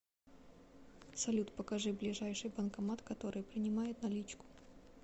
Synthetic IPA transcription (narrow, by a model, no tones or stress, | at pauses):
sɐlʲut̪pəkɐʐɨblʲɪʐajʂɨjbənkɐmat̪kɐt̪o̞ɾɨjpɾʲɪnʲɪmajɪt̪nɐlʲit͡ɕkʊ̥